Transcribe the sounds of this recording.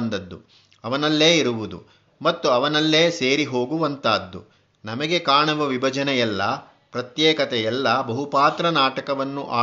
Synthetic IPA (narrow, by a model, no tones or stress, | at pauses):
nd̪ɐd̪ːṵ | ɐʋɐnɐlːe̞ːiɾuʋud̪ṵ | mɐt̪ːuɐʋɐnɐlːe̞ːse̞ːɾiɦo̞ːɡuʋɐnt̪aːd̪ːṵ | nɐmɐɡe̞kaːɳɐʋɐʋibʱɐd͡ʒɐnɛjɛlːɐ | pɾɐt̪jɛːkɐt̪ɛjɛlːɐbɐɦupaːt̪ɾɐnaːʈɐkɐʋɐnːuʔaː